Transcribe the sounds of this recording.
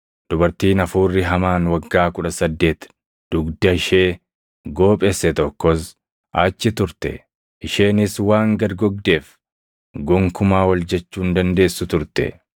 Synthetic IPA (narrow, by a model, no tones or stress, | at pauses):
d̪̥ʊbɐɾt̪iːnɐfuːrːɪɦɐmaːnwɐɡːaːkʊᶑɐsɐd̪ːe̞ːt̪ | d̪̥ʊɡd̪ɐɪʃeː | ɡo̞ːpʼɛsːɛt̪ɔkːɔs | ʔaːt͡ʃːɪt̪ʊɾt̪ɛ̰ | ɪʃe̞ːnɪswaːŋɡɐɾɡɔɡ̚d̪e̞ːf | ɡɔŋkʊmaːwɐld͡ʒɛt͡ʃːuːnd̪ɐnd̪e̞ːsːʊt̪ʊɾt̪ɛ̰